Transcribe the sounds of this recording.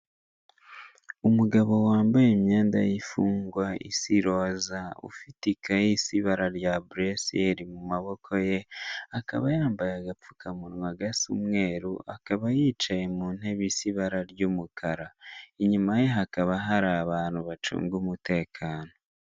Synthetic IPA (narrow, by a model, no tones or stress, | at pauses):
umuɡaβo̞waːmbajemɲaːnda̰jifuːŋɡwaʔḭsiɾo̞ːzaṵfitikajisiβaɾaɾjabɾeseɾimumaβo̞kʰo̞jeaka̰βajaːmbajaɡap͡fu̥kʰamunmaɡasṵmŋe̞ːɾuʔakaβajiːt͡ʃajemuːn̥e̞βisiβaɾaɾjumukʰaɾaiɲumajeɦakaβaɦaɾaːβaːnhuβat͡ʃṵːŋɡumute̞ːkʰaːno̞